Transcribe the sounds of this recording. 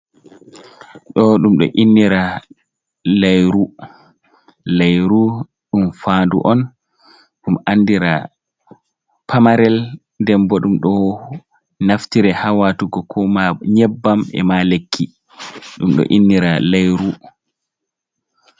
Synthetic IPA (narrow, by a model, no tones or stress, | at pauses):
ɗɔɗumɗɔ̰ʔinːiɾa | lajɾu | lajɾu | ɗumfaːndṵʔɔn | ɗumanːdiɾa | pʰamaɾɛl | dɛmbɔɗumɗɔ | naftiɾɛhawatuɡɔkʰɔmaɲɛbːamɛ̰malekʰːi | ɗumɗɔ̰ʔinːiɾalajɾu